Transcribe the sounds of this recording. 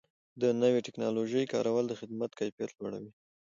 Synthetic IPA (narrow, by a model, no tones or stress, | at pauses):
d̪ənəweʈɪknɑloʒəjkɑ̰ɾawəld̪əxɪd̪mat̪kajpjat̪lwaɽa̰wi